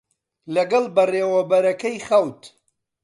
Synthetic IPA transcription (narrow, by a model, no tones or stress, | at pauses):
lɐɡɐlˠbɐreːwɐbɐɾɐkɐjχɐwt̪